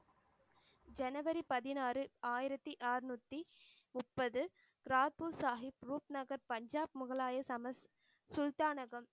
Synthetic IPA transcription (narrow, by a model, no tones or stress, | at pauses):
d͡ʒɛnɐʋɐɾipɐðɪnaːrɯaːjɪɾɐt̪ːiʔaːɾnut̪ːimʊpːɐðɯ | kɾaːt̪̚pusaːɦɪp̚ɾuːpnɐɣɐɾpɐɲd͡ʒaːp̚mʊɣɐɭaːjɐsɐmɐs | sʊlt̪aːnɐɣɐm